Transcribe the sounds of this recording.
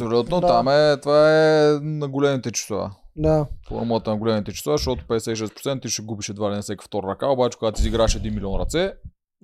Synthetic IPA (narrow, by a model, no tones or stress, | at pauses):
psolʲut̪not̪amɛt̪vaɛnɐɡolɛmit̪ɛt͡ʃi̥soa̰d̪afo̰ɾmulˠət̪ənɐɡolɛmit̪ɛt͡ʃi̥sovaʃt̪ɔt̪ʊ̥pɛd̪ɛsɛt̪iʃ̬ɛspɾot̪sɛnt̪iʃɛɡubiʃɛd̪vad̪ɛnsɛkə̥ft̪ɔɾəɾɐkaobat͡ʃɛkoɡat̪isʲiɡɾaɛʃɛd̪inmilʲiɔnɾɐ̰t̪sɛ